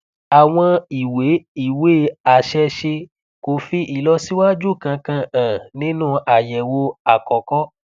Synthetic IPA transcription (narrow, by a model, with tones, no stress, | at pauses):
a˨w̃ɔ̃˧i˨we˨˦i˦˨we˦˨a˨ʃɛ˧ʃe˧ | ko˨fi˧ʔi˨lɔ˧si˦wa˦d͡ʒu˦˨kã˧kã˧ã˨nĩ˦nũ˦ʔa˨jɛ˨wo˧a˨kɔ˨kɔ˦